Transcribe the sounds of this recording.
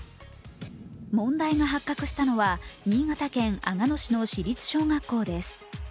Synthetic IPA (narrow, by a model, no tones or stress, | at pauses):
mõ̞nd̪aiɡaɦakːakɯ̟ɕi̥t̪ano̞βaɲʲiːɡat̪akẽ̞ŋaŋano̞ɕino̞ɕiɾʲit͡sɨ̥ɕo̞ːŋakːo̞ːd̪e̞sɨ̥